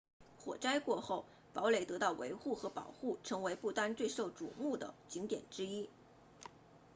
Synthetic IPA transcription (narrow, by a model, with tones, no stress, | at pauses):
xwɔ̰˨˩ʈ͡ʂa˥ɪkwɔ˥˧xo˥˩ʊ | pɑ˧˥ʊle˨˩ɪt̪ɤ˧˥t̪ɑ˥˩ʊwḛ˧˥ɪxu˥˩xɤ˧˥pɑ̰˨˩ʊxu˥˩ʈ͡ʂʰɤ˧˥ŋwe˧˥ɪpu˥˩t̪a˥nt͡swe˥˧ɪʂo˥˩ʊʈ͡ʂṵ˨˩mu˥˩d̪ə̰˩t͡ɕi˧˥ŋt̪jɛ̰˨˩nʈ͡ʂɻ̩˥i˥